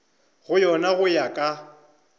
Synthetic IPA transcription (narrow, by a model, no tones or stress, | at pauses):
ɣʊjɔnaɣʊjakʼa